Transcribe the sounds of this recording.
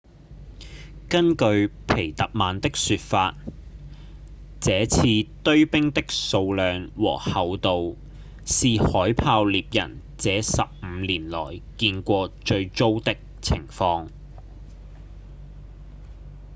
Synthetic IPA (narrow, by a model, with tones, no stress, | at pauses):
kɐ˥nkɵ˧ɥpʰe˨˩jt̪ɐ˨k̚maː˨nt̪ɪ˥k̚syː˧t̚faː˧t̚ | t͡sɛː˨˥t͡sʰiː˧t̪ɵ˥ɥpɪ˥ŋt̪ɪ˥k̚so˧wlœː˨ŋwɔ̰ː˨˩hɐ˨wt̪o˨w | siː˨hɔː˨˥jpʰaː˧wliː˨p̚jɐ̰˨˩n | t͡sɛː˨˥sɐ˨p̚m̩˨˧liː˨˩nlɔ̰ː˨˩jkiː˧nkʷɔː˧t͡ʃɵ˧ɥt͡so˥wt̪ɪ˥k̚t͡sʰɪ̰˨˩ŋfɔː˧ŋ